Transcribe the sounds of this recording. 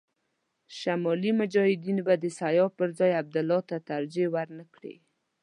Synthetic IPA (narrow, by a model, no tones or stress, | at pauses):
ʃamɑlimʊd͡ʒɑhɪd̪inbad̪əsajɑpəɾzɑjab̚d̪ʊlːɑt̪at̪aɾd͡ʒewaɾnəkɽḛ